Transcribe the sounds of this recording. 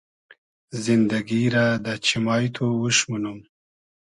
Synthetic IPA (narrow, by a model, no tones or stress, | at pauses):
zind̪aɡiɾad̪ət͡ʃimɑːjt̪ʰowuʃmunum